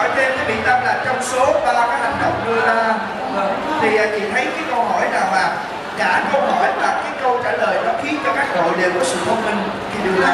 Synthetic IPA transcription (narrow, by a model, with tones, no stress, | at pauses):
ɔ˧˩˦jt̪e˧nkaː˨˦jɓḭ˧˨ənt̪ə˧mlaː˨˩t͡ɕɔ˧wŋ͡mso˨˦ɓaː˧˩kaː˨˦jha˨˧˩jŋ̟ɗə̰˨wŋ͡mɗɨ˧əʔaː˧˨˩ | t̪ʰi˨˩ʔa˧˩t͡ɕḭ˧˨t̪ʰə˨˦jkaː˨˦jkə˧wɦɔ˧˩jnaː˨˩wmaː˨˩ | kaː˧˩kə˧wɦɔ˧˩jlaː˨˩kaː˨˦jkə˧wt͡ɕa̰ː˧˩ləː˨˩jnɔ˨˦xi˨˦ənt͡ɕɔ˧kaː˦˥k̚ɗo̰˧˨jɗḛ˨˩kɔ˨˩˦sɨ̰˧˨mo˧nmï˨˧˩ŋ | xi˧ɗɨ˧˩əa˨